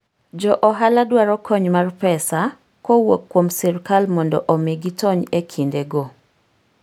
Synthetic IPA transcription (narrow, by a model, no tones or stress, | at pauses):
d͡ʒɔʔɔɦaladwaɾɔkʰɔɲmarpɛsa | kɔwokːwomsiɾkalmɔndɔ̰ʔɔmeɡitɔɲekʰindeɡo